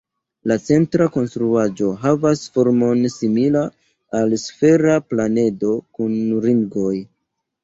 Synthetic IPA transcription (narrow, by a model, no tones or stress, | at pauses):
lat͡se̞ntɾako̞nstɾuad͡ʒo̞ɦavasfo̞ɾmo̞nsimila | alsfe̞ɾaplane̞do̞kunɾiŋɡo̞j